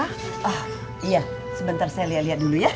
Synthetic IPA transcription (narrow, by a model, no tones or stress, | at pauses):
ʔɔh | ija | səbənt̪arsajaliɦat̪̚liɦat̪̚duluja